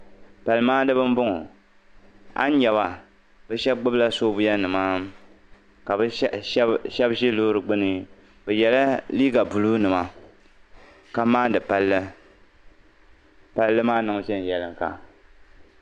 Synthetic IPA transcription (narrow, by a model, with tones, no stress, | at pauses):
pa˨lɨ˨maː˦dɨ˦bɨ˦m˦bʊ˦ŋ˨ | a̰˦n˦ɲɛ˨βa˨ | bɛ˦ʃɛ˦bɡ͡bʊ˦bla˦soː˦bʊ˦ja˦nɨ˨maː˦ | ka˨bɨ˦ʃɛ˦bʃe˦loː˦ɾɨ˨ɡ͡bɨ˦nɨ˦ | bɛ˨jɛ˨la˦liː˦ɡa˨bu˨lu˦nɨ˨ma˨ | ka˨maː˦dɨ˨pa˨lːɨ˦ | pa˨lːɨ˦maː˦nɨ˨ŋ˨ʃɛ˦n˨jɛ˨lɨ˨ŋ˨ka̰˨